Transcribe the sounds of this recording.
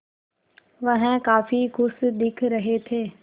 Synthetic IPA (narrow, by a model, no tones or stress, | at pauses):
ʋɐɦɪ̃kaːfiɡʊsd̪ɪkʰɾɐɦet̪ʰeː